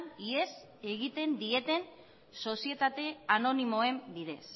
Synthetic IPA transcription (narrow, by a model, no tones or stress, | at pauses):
nies | e̞ɣit̪e̞nd̪ie̞t̪e̞n | so̞sie̞t̪at̪e̞ano̞nimo̞e̞mbiðe̞s